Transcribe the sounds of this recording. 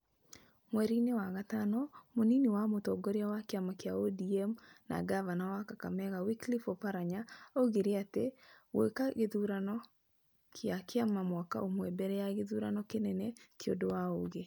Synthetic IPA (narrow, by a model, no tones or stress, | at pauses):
mwɛɾinewaɣatanɔmoniniwamotɔɡɔɾeawakeamakjaodiɛmna̰ɡavanawakaka̰mɛɣawiklifopaɾaɲaoɣeɾeatewḛkaɣeðuɾanɔ | kʰjakeamamwaka̰omwɛbɛɾɛjaɣeðuɾanɔkenɛnɛkeo̰ndowaoɣe